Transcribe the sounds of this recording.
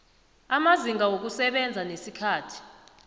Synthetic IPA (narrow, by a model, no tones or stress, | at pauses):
amaziŋɡʱawok̬usɛɓɛnd͡zʱanesikʰaːtʰi̥